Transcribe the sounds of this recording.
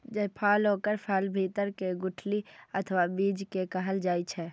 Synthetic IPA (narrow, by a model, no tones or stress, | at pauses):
d͡ʒəpʰaːlɦoːkəɾpʰɛːlbʱiːt̪əɾkeɡʊʈʰliət̪ʰʋabiːd͡ʒkekəɦəld͡ʒaːit͡ʃʰɛː